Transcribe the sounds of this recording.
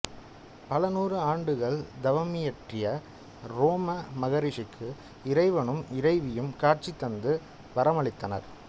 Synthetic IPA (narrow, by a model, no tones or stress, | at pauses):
pɐlɐnuːrɯaːɳɖɯɣɐɭd̪ɐʋɐmɪjɐʈrɪjɐ | ɾoːmɐmɐɣɐɾɪʂɪkʰːɯ | ɪɾɐɪʋɐɳɯmɪɾɐɪʋɪjɯmkaːrt͡ʃit̪ːɐnd̪ɯ | ʋɐɾɐmɐɭɪt̪ːɐnɐ̰ɾ